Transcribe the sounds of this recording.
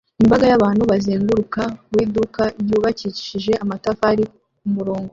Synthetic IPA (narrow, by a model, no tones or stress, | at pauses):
imbaɡajaβaːn̥huβaziːŋɡuɾukawiːdukaɾjuːβacici̥ʃiʒe̞ʔamatafaɾi | umuɾoːŋɡo